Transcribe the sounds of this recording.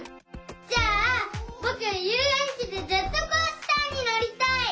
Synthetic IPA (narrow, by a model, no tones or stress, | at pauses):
d͡ʑaːbokɯjɯːɾẽɲɕit̪ezet͡sːokoːɕt̪aɲ̟inaɾʲit̪ai